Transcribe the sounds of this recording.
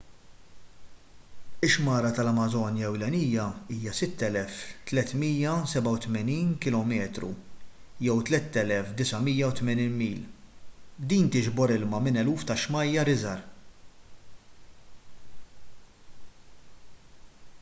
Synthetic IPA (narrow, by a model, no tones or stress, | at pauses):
ɪʃmɐːɾɐt̪ɐlɐmɐzɔːnjɐɛwlɛnijɐiːjɐsɪt̪ːɛlɛft̪lɛt̪miːjɐsɛbɐwt̪mɛniːnkɪlɔmɛːt̪ɾṵ | jɛwt̪lɛt̪ːɛlɛfd̪ɪsɐmiːjɐwt̪mɛniːnmiːl | d̪iːnt̪ɪʒbɔɾɪlmɐmɪnɛluːft̪ɐʃmɐjːɐɾɪzɐɾ